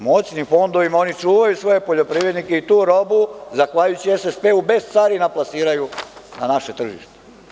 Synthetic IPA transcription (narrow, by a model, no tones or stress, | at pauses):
mo̞t͡ɕnimfo̞nd̪oʋimao̞nit͡ʂuːʋajusʋo̞je̞po̞ʎo̞pɾiːʋɾed̪nikeit̪uːɾo̞buzaxʋaʎujut͡ɕijesespeube̞st̪saːɾinaplˠasiːɾajunanaʃe̞t̪r̩ʒḭʃt̪e